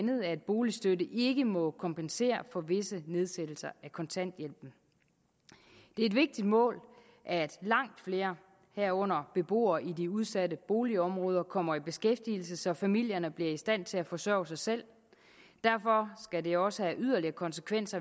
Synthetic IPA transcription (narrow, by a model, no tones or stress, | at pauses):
nð̩ˠæed̥̚b̥o̝ːlisd̥ødəʔe̝ɡ̥əmɒ̽kʰɒ̽mpʰense̝̰ːɐfɒ̽ʋe̝səne̝ð̞ˠsed̥l̩sɐækʰɒ̽nt͡sʰæn̰d̥jel̰b̥n̩ | d̥e̝ɐed̥ʋe̝ɡ̥̚d̥id̥mɔ̰̽ːl | ʔæd̥lɑ̈ŋ̰d̥fle̝ːɐ | hæɐ̰ɔ̽n̰ɐb̥e̝b̥o̝̰ːɐʔidiuð̞ˠsæɾəb̥o̝ːliɒ̽mʁɔ̽ːð̞ˠɐkʰɒ̽m̰ɐib̥e̝sɡ̥efd̥il̩səsɒ̽fæmil̰jɐnəb̥liɐisd̥æn̰t͡sʰe̝læfɒ̽sɶɐʊsɑ̈ɪsel̰ | d̥æɐfɒ̽sɡ̥æde̝ɒ̽səhæʔyðˠɐliɐkʰɒ̽nsəkʰʋen̰sɐ